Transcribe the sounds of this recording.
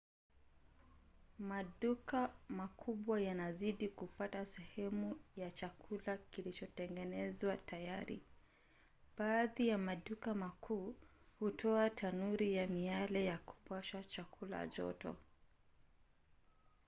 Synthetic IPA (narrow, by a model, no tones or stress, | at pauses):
maɗukamakʰuɓwajanaziɗikupatasɛhɛmujat͡ʃakʰulakilit͡ʃɔtɛŋɡɛnɛzwatajaɾḭ | ɓaːðijamaɗukamakʰuː | hutʰɔatʰanuɾijamialɛjaku̥pwaʃat͡ʃakʰula̰ʄɔ̰tɔ̰